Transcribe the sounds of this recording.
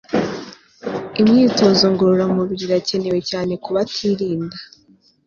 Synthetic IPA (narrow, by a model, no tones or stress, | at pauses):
imɲiːto̞zoŋɡoɾuɾamuβiɾiɾace̞ne̞we̞caːne̞kuβatʰiɾiːnda